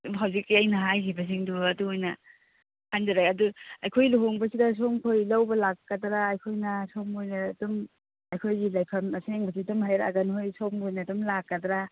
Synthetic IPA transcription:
ɦawzikːiɐjnɐɦajkʰibɐs̬iŋduɐduojnɐ | hʰandaɾakɐduɐjkʰojluɦoŋbɐsidɐs̬oŋkʰojlawbɐlakːɐdɾaːjkʰojnɐsoŋojnɐdum | ɐjkʰojɡilajpʰɐmɐseŋbɐs̬idumhajɾa̰ɡɐnhojsoŋojnɐdumlakːɐdɾa

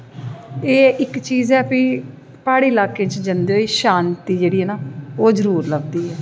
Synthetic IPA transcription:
eːɪkt͡ʃiːzɛːpiː | paːɽiːlaːkẽːt͡ʃd͡ʒənd̪eoiːʃaːnt̪iːd͡ʒeːɽiːɛːnaːoːzəɾuːɾləɡ̚d̪iːɛː

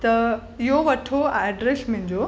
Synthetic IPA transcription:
t̪ɐ | ɪɦoʋɐʈʰoaːɖɾesmʊ̃ɦɪ̃ɲd͡ʑo

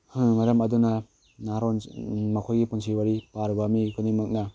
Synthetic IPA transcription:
hɯmaɾamɐduna | naɾɔnmakʰojɡipunsʰiwaɾipaɾbamikʰɯnimɯk̚na

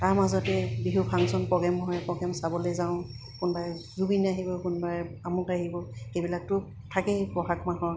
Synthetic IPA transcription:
taɹmazɔtɛbiɦupʰaŋsɔnpɔɡɛmɦɔjpɔɡɛmsabɔlezaʊ̃ | kʊnbajzubinaɦibɔkunbaɹamutaɦibɔxebilak̚tʊ | tʰakɛpɔɦak̚maɦɔ

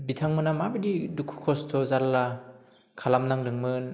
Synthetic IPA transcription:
bitʰaŋmɯnamabɯdidukʰu̥kʰɔstʰɔzaɾla | kʰalamnaŋɾɯŋmɯn

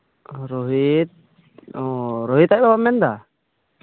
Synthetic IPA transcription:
ɾɔɦit̪̚ | ɔɾɔɦit̪ajbabamɛnd̪a

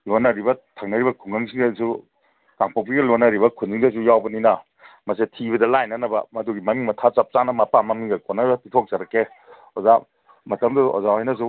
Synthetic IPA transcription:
lonɐɾibɐtʰaŋnɐɾibɐkʰuŋɡɐŋsiŋdasu | kaŋpok̚piɡɐlonɐɾibɐkʰund͡ʒiŋdɐs̬ujawbɐninɐ | mɐsetʰiβɐdɐlajnɐnɐbɐ̰mɐduɡimɐmiŋmɐtʰat͡ʃap̚t͡ʃanɐmɐpamɐmiŋɡɐkonɐbɐpitʰok̚zaɾɐkːe | oza | mɐtɐmduo̰zahɦajnɐs̬u

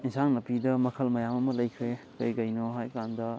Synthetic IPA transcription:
insaŋnɐpidɐmɐkʰɐlmɐjamɐmɐlɐjkʰɾe | kɐjɡɐjnoɦajkandɐ

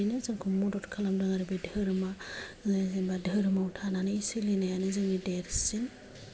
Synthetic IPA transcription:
nɯzɯŋkʰɔmɔdɔtkʰalamdaŋaɾibedʱɯɾɯmazzeŋbadʱɯɾɯmautʰananɯisɯlinajanɯzɯŋnideɾsin

